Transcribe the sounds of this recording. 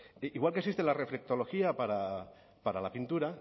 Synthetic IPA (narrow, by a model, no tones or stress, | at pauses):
iɣwalˠkeksist̪elarefɾek̚t̪oloxiapaɾa | paɾalapint̪uɾa